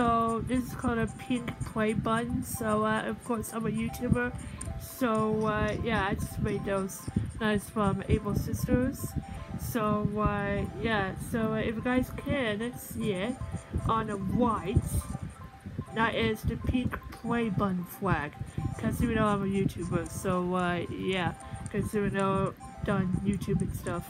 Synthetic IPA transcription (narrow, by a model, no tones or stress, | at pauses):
soʊðɪsɨz̥kʰɔlˠdɨpʰɪ̃ŋkpʰl̥eɪbʌ̃ndsoʊʌʔʌv̥kʰɔɹsãɪ̃mɨjʉtʰʉbə˞soʊʌjæaɪd͡ʒʌst̚meɪt̪̚ðoʊz̥naɪsfʌ̃mḛɪbl̩ˠsɪstə˞z̥soʊʌɪjæsoʊɪfɨɡaɪz̥kʰɨ̃nɨtsjɛɾʔə̃n̩əwaɪt | ðəɾɪz̥ðɨpʰikpʰl̥eɪbʌ̃nflæɡ̥kʰʌzðɨwɨnoʊãɪ̃mɨjʉtʰʉbə˞soʊʌjækʰʌzðɨwinoʊ | d̥ʌ̃njʉtʰʉbɨ̃nstʌf